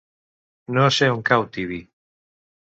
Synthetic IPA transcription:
noseuŋkawt̪iβi

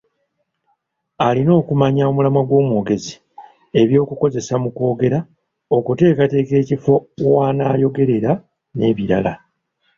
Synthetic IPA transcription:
alino̞ːkumaɲao̞mulamaɡwo̞ːmwoːɡe̞zi | e̞βjo̞ːkuko̞ze̞samuko̞ːɡe̞ɾa | o̞kute̞ːkate̞ːke̞ːcifo̞waːnaːjo̞ɡe̞ɾe̞ɾa | ne̞̰ːβiɾa̰la

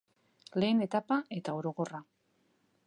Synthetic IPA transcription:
le̞ːne̞t̪apae̞t̪aoɾo̞ko̞ra

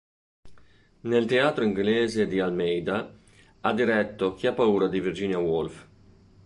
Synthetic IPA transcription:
nelt̪eaːt̪ɾoiŋɡleːzed̪ialmɛjd̪a | ad̪iɾɛt̪ːok̟iapːauːɾad̪ivird͡ʒiːnjawolf

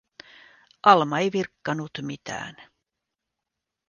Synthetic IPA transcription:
ʔɑlmɑejʋirkːɑnut̪mit̪æ̰ːn

